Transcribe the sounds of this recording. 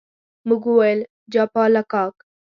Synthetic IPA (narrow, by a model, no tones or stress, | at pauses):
muɡuwajl | d͡ʒaːpɑːlakɑːk